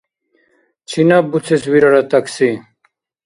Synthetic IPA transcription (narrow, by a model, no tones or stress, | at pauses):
t͡ɕʰinabut͡sʰeswiɾaɾat̪aksi